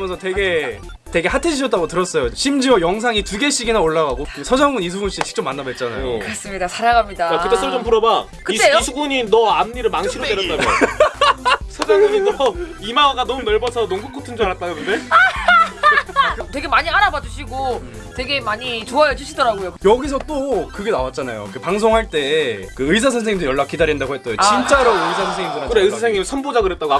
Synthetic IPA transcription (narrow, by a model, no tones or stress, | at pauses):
mjʌnsʰʌte̞ɡe̞ | te̞ɡe̞hatʰeɕʰiʌt͈aɡotɯɾʌs͈ʌjoɕʰimd͡ʑiwʌjʌŋs̬ʰaŋituɡe̞ɕ͈iɡinaoɭːaɣaɡosʰʌd͡ʑaŋɡunis̬ʰuɡunɕ͈ʰiit͡ɕʰi̥k̚t͡ɕ͈omːanːabet̚t͡ɕ͈ana̰jokɯɾʌs͈ɯmɲidasʰaɾaɡamɲidaakɯt͈es͈ʰɯd͡ʑompuɾʌba | kɯteisʰuɡuɲinʌanːiɾɯɭmaŋɕʰiɾoeɾʌt͈aɡ | sʰʌd͡ʑaŋɡuɲinʌimawaɡanʌmuunʌɭbʌsʰʌnoŋɡuk͈otʰɯnd͡ʑoaɾat͈̚aɡɯɾɯnde̞ | twe̞ɡe̞maɲiaɾabad͡ʑuɕʰiɡo | twe̞ɡe̞maɲit͡ɕoajʌd͡ʑuɕʰidʌɾaɡojokjʌɡis̬ʰʌt͈okɯɡe̞nawat̚t͡ɕ͈ana̰jo̰kepaŋsʰoŋɦaɭt͈e̞kɯɯis̬ʰas̬ʰʌnsʰeɲimdɯjʌɭːak͈̚idaɾindaɡohɦet͈ʌjot͡ɕint͡ɕ͈aeɾaɡɯisʰasʰʌnsʰeŋimdɯɾakɯɾeɯsʰasʰeŋimsʰʌnbod͡ʑaɡɯɾet͈̚aɡoa